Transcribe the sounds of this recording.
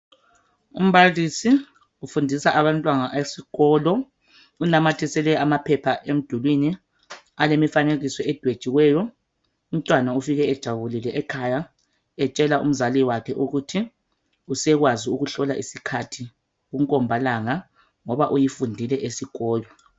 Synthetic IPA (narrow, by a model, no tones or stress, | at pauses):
ṵm̩bʱalisi | ufundʱisaʔaβantʼwaŋaʔesiɣɔːlɔ | unamatʰisɛlɛamapʰɛpʰaʔem̩d̥ʱulwini | alemifaneɣisɔɛd̥ʱwed̥t͡ʃʼiwɛjɔ | um̩tʼwanaufiɣɛɛd̥ʒ̥ʱaβulilɛʔɛkʰaja | ɛt͡ʃʼɛlaṵm̩zaliwakʰɛʔuɣutʰi | usɛɣwaziuɣuɬɔlaʔisikʰatʰi | ɣuŋkʼɔmbʱalaŋa | ŋɔβaʔujifundʱilɛʔesiɣɔːlɔ